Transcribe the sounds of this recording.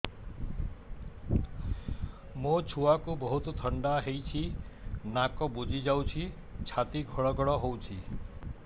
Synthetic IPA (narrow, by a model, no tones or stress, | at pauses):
mot͡ʃʰuakubɔɦut̪ɔt̪ʰɔɳɖaɦejt͡ʃʰinakɔbud͡ʒʱid͡ʒawt͡ʃʰi | t͡ʃʰat̪iɡʱɔɭɔɡɔɭɔɦowt͡ʃʰi